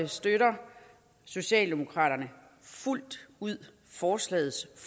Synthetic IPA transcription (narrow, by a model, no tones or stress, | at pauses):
əsd̥øɾɐ | so̝ɕɛ̰ːld̥e̝mo̝kʰʁɑ̰̈ːɾ̥ɐnə | ful̰d̥uð̰ˠ | fɒːslɛ̰ːð̞̩ˠsf